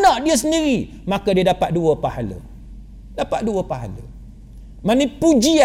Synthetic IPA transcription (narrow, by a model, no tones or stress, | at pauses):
nɔʔdiəs̬əndiɾi | makədiədapat̪̚duəpahalə̰ | dapat̪̚duəpaɦa̰lə̰ | manĩpud͡ʒia